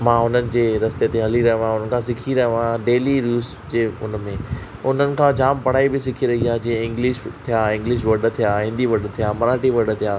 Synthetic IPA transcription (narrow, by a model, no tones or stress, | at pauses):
mãːɦʊnənɪ̆d͡ʑeːɾɐst̪et̪eɦɐliɾɐɦĩʋãʊnənɪkʰãːsɪkʰiɾɐɦə̃ʋãɖeːliɾuːs | d͡ʑeːʊ̰nmẽ | ʊn̤ənɪ̆kʰãd͡ʑaːmpɐɽ̤aːibɪsɪkʰiɾɐɦiaːd͡ʑiːẽɪ̃ŋɡlɪʃt̪ʰijaːɪ̃ŋɡlɪʃʋɐɖ̆t̪ʰijaɦɪ̃nd̪iʋɐɖ̆t̪ʰijaːmɐɾaːʈiʋɐɖə̆t̪ʰijaː